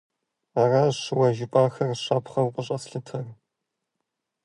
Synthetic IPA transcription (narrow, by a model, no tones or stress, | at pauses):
aːrɐɕɪwɐʒɪpʼaːxɐrɕɐpχɐwqʼəɕʼɐsɬɨtʰɐr